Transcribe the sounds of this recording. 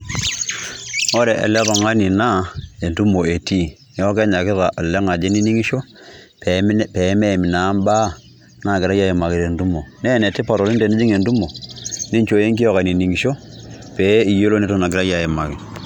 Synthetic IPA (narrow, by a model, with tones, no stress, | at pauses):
o˦ɾɛ˨ʔɛ̰˨lɛ˦tɔ˨ŋa˦ni˨na˦e˨ntu˦mo˨e˨ti˦ | ɛ˦ɔ˦kɛ˦ɲa˨kɪ˦ða˨ʔa˨lɛ˦ŋa˨d͡ʒe˦ni˦ni˦ŋi˦ʃo˦ | ppɛ˨˦mɛ˦˨mɪ˨na˨˦mba˦ | na˦˨kɪ˨ɾa˦ja˦e˨ma˨kɪ˨ɾe˨ntu˦mo˨nɛ˦˨nɛ˨ti˦pa˨ɾo˨li˦nte˨ni˦d͡ʒi˦ŋe˨ndu˦mo˨ni˦ɲt͡ʃo˨je˦ŋki˦jɔ˦ka˨ni˨ni˨ŋi˨ʃo˦ | pe˨˦i˨jo˦lo˦ne˦to˦na˨kɪɾa˦ja˨je˨ma˨kɪ˨